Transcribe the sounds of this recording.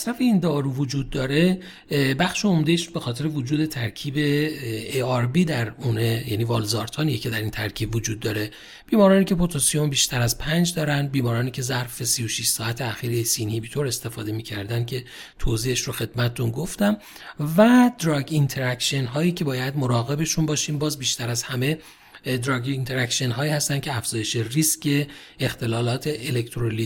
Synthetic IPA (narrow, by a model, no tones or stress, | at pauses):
æsɾæfeind̪ɒːɾuːvod͡ʒuːd̪̚ːɒːɾe̞ | bæxʃe̞omd̪eʃbe̞xɒːt̪ʰe̞ɾevod͡ʒuːd̪e̞t̪ʰæɾcʰiːbe̞eɒɾbiːd̪æɾunejæniːvɒːlzɒːɾt̪ʰɒːnijecʰe̞d̪æɾint̪ʰæɾcʰiːbvod͡ʒuːd̪ːɒːɾe̞ | b̥iːmɒːɾɒːniːcʰe̞pʰot̪ʰosijo̞mbiːʃt̪ʰæɾæzpʰænd͡ʒd̪ɒːɾænbiːmɒːɾɒːniːcʲʰe̞zæɾfe̞sijo̞ʃiʃsɒːæt̪ʰeæxiːɾesinhibit̪ʰoɾe̞st̪e̞fɒ̰ːd̪e̞miːcʰæɾd̪ænd̪̚cʰe̞t̪ʰoːziːheʃɾoxe̞d̪mæt̪ʰet̪unɡoft̪æm | væd̪̥ɾɒɡint̪ʰe̞ɾækʃenɦɒːjiːcʰe̞bɒːjæd̪mo̞ɾɒːɣe̞be̞ʃunbɒːʃiːmbɒːzbiːʃt̪æɾæzhæme̞ | d̪ɾɒːɡint̪ʰeɾækʃienɦɒːiːhæst̪æncʰeæfz̥ɒːje̞ʃeriscʰe̞ː | xt̪ʰe̞lɒːlɒːt̪ʰe̞ʔelekt̪ʰɾoli